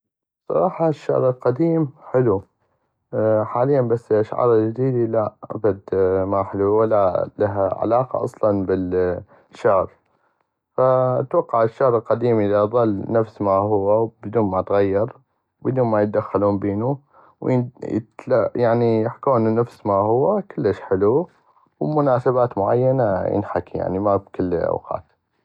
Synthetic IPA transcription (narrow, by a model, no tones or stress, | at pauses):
sˤːɑ̰ɾˤɑːħɑʃːɑ̰ʕɾˤɪlqad̪iːmħɪlu | ħaːlɪjːanbasːɪlʔaʃʕɑ̰ːɾˤɪld͡ʒɪd̪iːd̪ilaʔa̰bad̪maħɪluwalːalaɦaʕa̰lɑːqɑ̰ʔɑ̰sˤlɑnbɪl | ʃːaʕɾ | fat̪wɑqːɑʕɪʃːaʕɾˤɪlqad̪iːmʔɪðaʔðˤɨlːnafsmahʊwːawbd̪uːnmat̪ɣajːɑɾˤ | bɪd̪uːnmajt̪̚d̪axːaluːnbeːnu | wjɪ̰t̪lajaʕnijɪħkuːnnafsmahʊwːakəlːəʃħɪlu | wmʊnaːsabaːt̪mʊʕa̰jːanajɪ̰nħakija̰ʕnimabkɪlːʔa̰wqɑ̰ːt̪